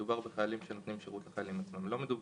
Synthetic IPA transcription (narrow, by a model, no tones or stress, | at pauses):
ubaʁbeχajalimʃenot̪nimʃeʁut̪laχajalimat͡smamlo̞me̞d̪ub